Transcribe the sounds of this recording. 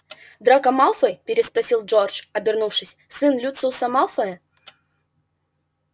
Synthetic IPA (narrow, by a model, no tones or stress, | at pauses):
d̪ɾakɐmalˠfəjpʲɪɾʲɪspɾɐsʲilˠd͡ʒort͡ʂɐbʲɪrnufʂɨsʲ | sɨnlʲut̪sɨsɐmalˠfɐɛ